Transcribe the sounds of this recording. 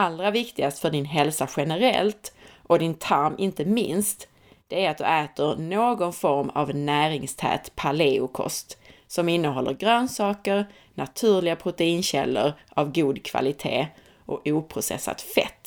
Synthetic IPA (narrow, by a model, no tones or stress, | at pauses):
aldɾavɪkt̪ɪɡast̪fœɖɪnɦɛlsaɧɛnəɾɛ̰lt̪ʔɔd̪ɪnt̪ʰaɾmʔɪnt̪əmɪ̰nst̪ | d̪̥ɛæɾat̪̚d̪ɵ̰ɛːt̪əɾnoːɡɔnfɔɾma̰vnæːɾɪŋst̪ʰɛ̰ːt̪pʰaleːʊkʰɔ̰st̪sɔmɪnːəɦɔlːəɾɡɾœːnsɑːkəɾ | nat̪ʰʉ̟ːɾlɪɡapʰɾʊt̪ɛiːnɕɛ̰lːə̰ɾʔavɡuːd̪kʰva̰lɪt̪ʰḛː | ʔɔuːpʰɾʊsɛ̰sːa̰t̪fɛ̰t̪ː